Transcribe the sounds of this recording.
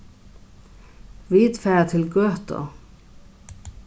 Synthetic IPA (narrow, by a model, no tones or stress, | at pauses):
vit̪fɛɾat̪ʰɪlɡœːht̪ɔ̰